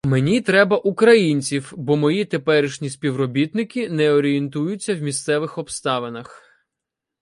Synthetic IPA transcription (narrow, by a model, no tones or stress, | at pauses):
menʲit̪ɾɛbɐʔukɾɐjinʲt͡sʲiwbɔmɔjit̪e̞pɛɾɪʃnʲisʲpʲiwɾɔbʲit̪nɪkʲɪnɛɔɾʲient̪ujʊt͡sʲːɐwmʲist̪sɛʋɪxɔbst̪ɑʋenɐx